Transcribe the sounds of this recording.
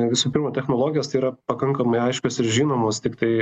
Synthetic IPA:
ʋʲɪsuːpʲɪrɾmoːt̪ʲɛxnoːlˠoːɡʲɪjoːst̪ɐɪiːɾɐpɐkɐŋkɐmɐɪɐɪʃʲkʲoːsɪɾʒʲiːnoːmoːst̪ʲɪkt̪ɐɪ

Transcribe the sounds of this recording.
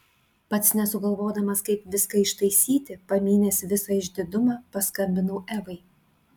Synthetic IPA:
pɐt̪snʲɛsʊɡɐlˠʋoːd̪ɐmɐskɐɪpʋʲɪskɐɪʃt̪ɐɪsʲiːt̪ʲɪpɐmʲiːnʲɛsʲɪʋʲɪsɐɪʒʲd̪ʲɪd̪ʊmɑːpɐskɐmʲbʲɪnɐʊʔæʋɐɪ

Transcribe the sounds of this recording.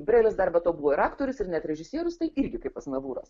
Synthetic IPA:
bʲɾʲɛɪlʲɪsd̪ɐɾbɐt̪oːbuʋoːɪɾɑːkt̪oːɾʲʊsɪɾnʲɛt̪ʲɾʲɛʒʲɪsʲiɛɾʊst̪ɐɪɪɾʲɡʲɪkɐɪpɐsnɐʋuːɾɐ̰s

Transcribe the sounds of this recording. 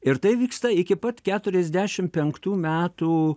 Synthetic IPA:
ɪɾt̪ɐɪʋʲiːkst̪ɐɪkʲɪpɐt̪kʲæːt̪ʊɾʲɛzʲd̪ʲæːʃʲɪmpʲɛŋkt̪uːmʲæːt̪uː

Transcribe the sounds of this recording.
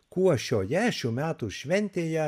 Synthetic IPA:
kuɔʃʲoːjæʃʲʊmʲæːt̪uʃʲʋʲɛnʲt̪ʲeːjɛ

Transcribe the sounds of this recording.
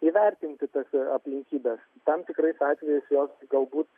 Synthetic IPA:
iːʋʲɛrʲt̪ʲɪnʲt̪ʲɪt̪ɐsɐpʲlʲɪŋʲkʲiːbʲɛs | t̪ɐmt̪ʲɪkɾɐɪsɑːt̪ʲʋʲɛjɪsjoːsɡɐlˠbuːt̪

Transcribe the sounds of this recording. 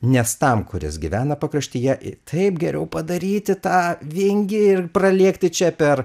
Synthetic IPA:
nʲɛst̪ɐmkʊɾʲɪ̰sɡʲɪʋʲæːnɐpɐkɾɐʃʲt̪ʲɪjɛʔt̪ʰɐɪpɡʲɛɾʲʔɛʊpɐd̪ɐɾʲiːt̪ʲɪt̪ɑːʋʲɪŋʲɡʲɪɪrprɐlʲiɛkt̪ʲɪt͡ʃʲɛpʲɛr

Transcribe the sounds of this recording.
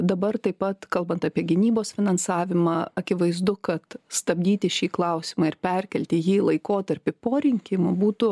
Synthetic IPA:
d̪ɐbɐrt̪ɐɪpɐt̪kɐlˠbɐnt̪ɑːpʲiɛɡʲɪnʲiːboːsfʲɪnɐnsɑːʋʲɪmɑːɐkʲɪʋɐɪzd̪ʊkɐt̪st̪ɐbʲd̪ʲiːt̪ʲɪʃʲiːklˠɐʊsʲɪmɑːɪɾpʲɛɾʲkʲɛlʲt̪ʲɪjiːlˠɐɪkoːt̪ɐɾʲpʲɪpoːɾʲɪŋʲkʲɪmʊbuːt̪ʊ

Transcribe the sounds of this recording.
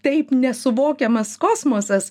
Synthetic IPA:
t̪ɛɪpnʲɛsʊʋoːkʲɛmɐskoːsmoɔsʲɐs

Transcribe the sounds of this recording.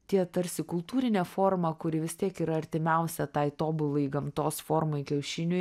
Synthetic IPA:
t̪ʲiɛt̪ɐɾʲsʲɪkʊlˠt̪uːɾʲɪnʲɛːfoːɾmɐkʊɾʲɪʋʲɪst̪ʲiɛkiːɾɐɐɾʲt̪ʲɪmʲɛʊsʲɛt̪ɐɪt̪oːbʊlˠɐɪɡɐmt̪oːsfoːɾmɐɪkʲɛʊʃʲɪnʲʊj

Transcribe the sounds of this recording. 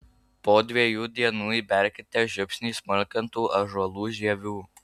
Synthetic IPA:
poːd̪ʲʋʲiɛjuːd̪ʲiɛnuːibʲɛɾʲkʲɪt̪ʲɛːʒʲʊpʲsʲnʲiːsmʊlʲkʲɐnt̪uːʔɐʒɐlˠuːʒʲiɛʋʲuː

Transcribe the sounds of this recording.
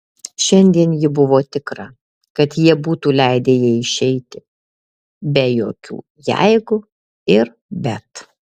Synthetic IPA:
ʃʲɛnʲd̪ʲiɛnjɪbʊʋoːt̪ʲɪkɾɐ | kɐt̪jiɛbuːt̪uːlʲɛɪd̪ʲeːjiɪʃʲɛɪt̪ʲɪ | bʲɛjo̰ːkʲṵː | jɛ̰ɪɡʊ | ɪɾ | bʲɛt̪

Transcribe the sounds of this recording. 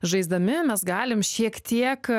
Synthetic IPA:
ʒɐɪzd̪ɐmʲɪmʲɛsɡɑːlʲɪmʃʲiɛkt̪ʲiɛk

